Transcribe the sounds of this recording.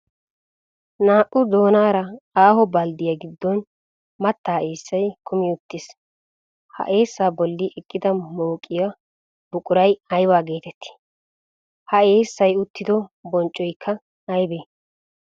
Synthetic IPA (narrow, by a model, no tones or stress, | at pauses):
naːʔʊd̪o̞ːnaːɾɐaːhɔbɐld̪ɪjɐɡɪd̪ːɔn | mɐt̪ːaːeːsːɐjkʰʊmɪʊt̪ːɪs | hɐ̰ʔe̞ːsːaːbɔlːɪʔɛkʼːɪd̪ɐmoːkʼːɪja | bʊkʼʊɾɐjɐjbaːɡe̞ːt̪ɛt̪ʰːɪ̥ | hɐeːsːɐjʊt̪ːɪd̪ɔbɔnt͡ʃʼːɔjkʰːɐ | ɐjbeː